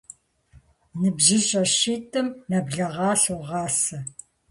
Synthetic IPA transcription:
nɨbʑɪɕʼɐɕiːtʰʼɨmnɐbɮɐʁɑːɬuʁɑːsɐ

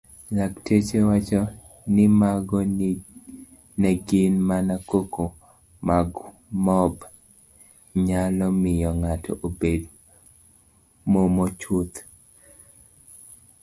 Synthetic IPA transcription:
laktet͡ʃewat͡ʃɔ | nɪmaɡɔ | nɛɡɪnmanakoko | maɡ | mɔb | ɲalɔmɪjɔŋatɔ̰ʔobed | momɔt͡ʃut̪

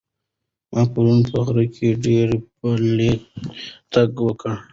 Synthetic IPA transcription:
mʔɑpaɾunpəɣɾəkʰeɖeɾpəle | t̪aɡwəkə

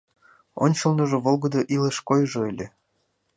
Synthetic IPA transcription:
o̰nʲt͡ɕolˠnoʒoβolˠɡɤd̪oʔileʃkojʒoelʲe

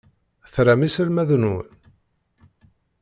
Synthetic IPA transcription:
θɾæmisəlmæðnu

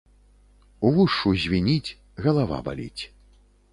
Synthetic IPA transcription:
uvuʂuzʲvʲinʲit͡sʲ | ɣɐlˠava̰ba̰lʲḭt͡sʲ

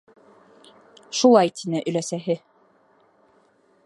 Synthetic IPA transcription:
ʃulˠɑjt̪ʰinɘʔɵ̆læsæɦɘ

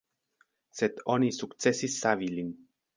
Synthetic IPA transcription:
set̪ʰonisukt̪sesisːavilin

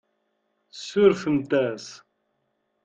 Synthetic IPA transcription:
sːʊɾθəmt̪æs

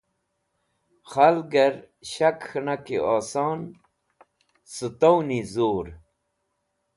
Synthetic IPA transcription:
xɐlɡɐɾ | ɕɐkxnakiɔːsɑːn | sɨt̪ownizoːɾ

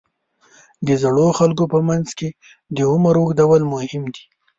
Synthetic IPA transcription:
d̪əzaɽoxalkopəmanzke | d̪əʊməɾokd̪awalmʊhɪmd̪i

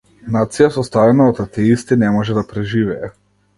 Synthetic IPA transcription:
nat̪sijasɔst̪avɛnaɔt̪at̪ɛist̪inɛmɔʒɛd̪apɾɛʒivɛɛ

